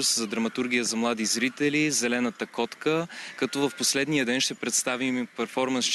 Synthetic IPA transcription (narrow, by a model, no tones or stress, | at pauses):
szɐd̪ɾɐmɐt̪uɾɡ̟ʲijəzɐmlˠad̪izɾit̪ɛlizɛlɛnət̪əkɔt̪kəkɐt̪ɔvɐfposlɛd̪nijəd̪ɛnʃt̪ɛpɾɛt̪st̪avimpɛɾfɔɾmɐnst͡ʃ